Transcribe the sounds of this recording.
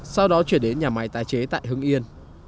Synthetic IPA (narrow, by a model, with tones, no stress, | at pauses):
sa˧wɗɔ˨˦t͡ɕwi˧˩ənɗe˨˦nɲaː˨˩ma˨˦jt̪aː˨˦jt͡ɕe˨˦t̪a̰ː˧˨jɦɨ˧əŋʔi˧ən